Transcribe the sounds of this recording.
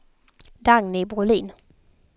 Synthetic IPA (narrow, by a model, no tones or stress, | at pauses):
d̪̥aŋnɪbʊliːn